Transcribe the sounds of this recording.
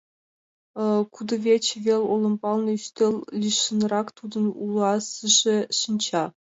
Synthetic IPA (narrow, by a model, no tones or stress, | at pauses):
kud̪ɤ̆vʲet͡ɕɘvʲelʲolˠɤ̆npɑlˠnɤ̆yɕt̪ʲelʲlʲiʂɤ̆nrɑkt̪ud̪ɤ̆nulˠɑsɨʐɘ̆ʂĭnʲt͡ɕɑ